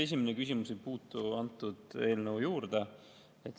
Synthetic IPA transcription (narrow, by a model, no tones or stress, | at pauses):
e̞s̬ʲimenekysimusejpuːt̪ːˑuɑnt̪ːˑud̪̥e̞ːlnəujuːɾd̪̥e | et̪ːˑ